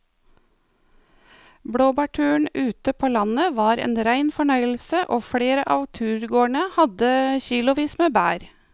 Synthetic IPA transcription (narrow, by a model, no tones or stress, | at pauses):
bɽoːbɑʈʰʉːɳʉːt̪əpʰoːlɑnəʋɑːɾḛːnɾæɪnfɔɳœʏəl̩səʔoːfɽeːɾəʔɑːʋt̪ʰʉːɾɡoːɳəhɑd̪əçiːlʊʋiːsməbæːɾ